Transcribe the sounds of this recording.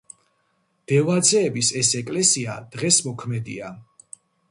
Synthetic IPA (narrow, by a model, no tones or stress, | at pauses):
d̪̥ɛvad̪zɛːbisɛsɛkʼlɛsia̰d̪̥ʁɛsmɔkʰmɛd̪ḭa